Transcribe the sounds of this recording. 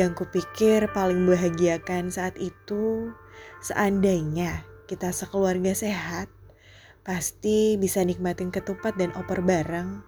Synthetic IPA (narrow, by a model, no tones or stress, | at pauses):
jaŋkupikɪrpalɪŋməbaɦaɡiakansaːt̪it̪u | sə̰ʔandaiɲakit̪asəkəluarɡaseɦat̪̚ | past̪ibisanik̚mat̪ɪnkət̪upat̪̚danʔopərbaɾaŋ